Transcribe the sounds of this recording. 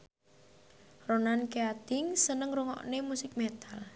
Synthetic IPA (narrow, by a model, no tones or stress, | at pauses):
ronankeat̪ɪŋsənəŋɾuŋɔ̰ʔnemusɪk̚met̪al